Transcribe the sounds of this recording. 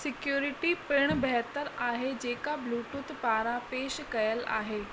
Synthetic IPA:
sɪkjuːɾɪʈipɪɽ̃bɛɦt̪əɾaːɦed͡ʑeːkabluːʈʊt̪paːɾapeːʃkɐjəla̰ːɦeː

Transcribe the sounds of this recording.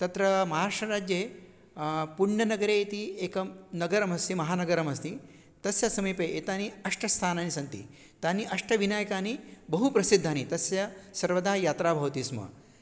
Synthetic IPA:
t̪ɐt̪ɾɐmɐɦaːʂɐɾaːd͡ʒjeː | puɾɳɐnɐɡɐɾeːit̪ieːkɐnɐɡɐɾɐmɐst̪imɐɦaːnɐɡɐɾɐmɐst̪i | t̪ɐsjɐsɐmiːpeːʔeːt̪aːniɐʂʈʰɐst̪ʰaːnaːnisɐnt̪ḭ | t̪aːniʔɐʂʈɐʋinaːjɐkaːnibɐɦupɾɐsid̪ʱːaːnit̪ɐsjɐsɐɾʋɐd̪aːɦjaːt̪ɾaːbʱɐʋɐt̪iːsmɐ̰

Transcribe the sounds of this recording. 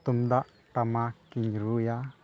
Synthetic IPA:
t̪umdaʔ | ʈamakiɲɾuja

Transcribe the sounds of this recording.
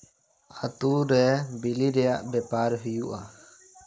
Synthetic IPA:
at̪uɾɛbilidɛjaʔbɛpaɾɦujuʔa

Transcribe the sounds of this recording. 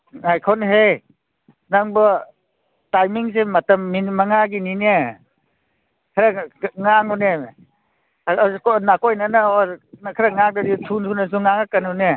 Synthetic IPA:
ajkʰɔnɦe | naŋbɐ | tajmiŋs̬emɐtɐmːimaŋaɡinine | kʰaɾaŋaŋune | knakojnanaokʰaɾaŋak̚daditʰuntʰunɐs̬uŋaŋakanune

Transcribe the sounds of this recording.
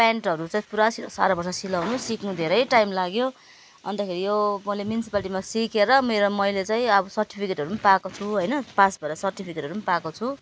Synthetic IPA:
paɳʈʌɾut͡saĩpuɾasisa̰ɾabʌrsʌsilawnusiknud̪ʱeɾʌjʈajmlaɡjo | ʌ̰nt̪akʰeɾijomʌjlemjunisipaliʈimasikeɾʌmeɾomʌjlet͡saĩʌbʌsʌrʈipʰikeʈʌɾumnpakot͡sʰuɦojnʌpasbʱʌɾasʌrʈipʰikeʈʌɾumanpakot͡sʰu

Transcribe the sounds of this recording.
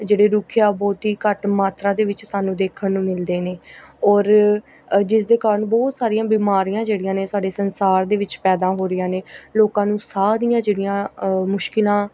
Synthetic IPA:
d͡ʒeːɽeːɾʊːkʰjaːbɔːt̪ɦiːkəʈmaːt̪ʰɾaːd̪eːʋɪt͡ʃsaːnũːd̪eːkʰənːũːmɪld̪eːneːɔːɾ | d͡ʒɪsd̪eːkaːɾəɳbɔːt̪saːɾijãːbiːmaːɾijãːd͡ʒeːɽɪjãːneːsʊaːɖeːsənsaːɾd̪eːʋɪt͡ʃpɛːd̪ãːɦoːɾɪjãːneːloːkãːnũːsaːɾijãːd͡ʒeːɽijãːmʊʃkɪlãː

